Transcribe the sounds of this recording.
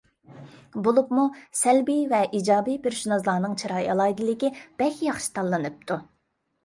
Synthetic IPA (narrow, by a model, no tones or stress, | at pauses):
bolˠupmusælbijvɛʔid͡ʒɑːbijpeɾʃunɑzlˠɑːnɨŋt͡ʃʰiɾɑjɑlˠɑid̪ɨlɪkʲib̥ɛkʲjɑχʃi̥t̪ʰɑlˠːɨnɨp̚t̪ʰu